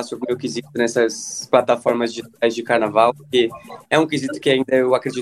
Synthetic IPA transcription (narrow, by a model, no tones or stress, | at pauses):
asʊbʊmewkizit̪ʊnɛsɐsplat̪afɔɾmɐzd͡ʒɪiʒit̪ajzd͡ʒɪkaɾnavawpoɾkeɛũkizit̪ʊ̥kɪaĩnd̪ɐewakɾed͡ʒi